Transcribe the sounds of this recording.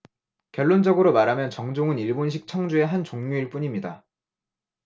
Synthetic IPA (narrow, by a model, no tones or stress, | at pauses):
kjʌɭːond͡ʑʌɡɯɾomaɾamjʌnt͡ɕʌŋd͡ʑoŋɯniɭbonɕ̬ʰik̚t͡ɕʰʌŋd͡ʑue̞ɦant͡ɕoŋɲuiɭp͈uɲimɲida